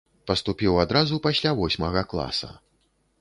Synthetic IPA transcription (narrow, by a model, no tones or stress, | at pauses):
pɐst̪upʲiwad̪ɾazupasʲlʲavɔsʲmɐɣɐklˠa̰sɐ̰